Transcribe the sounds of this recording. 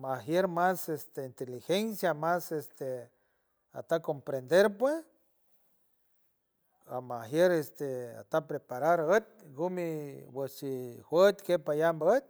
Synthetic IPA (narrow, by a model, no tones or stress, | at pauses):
maɦjeɾmasest̪eint̪elixensjamasest̪e | a̰t̪akompɾend̪eɾpwes | a̰mahjeɾest̪ea̰t̪apɾepaɾaɾət̪̚ɡumiwət͡ʃihwət̪kepajambaət̪̚